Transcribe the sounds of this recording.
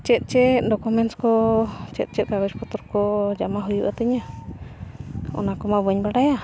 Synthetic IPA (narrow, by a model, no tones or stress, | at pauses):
t͡ʃɛt̪̚ˀt͡ʃɛt̪̚dɔkumɛnskɔt͡ʃɛt̪̚ˀt͡ʃɛt̪̚kaɡɔt͡ʃpɔt̪ɔɾkɔd͡ʒamaɦujuʔat̪əɲa | ɔ̰nakɔmabəɲbaɽaja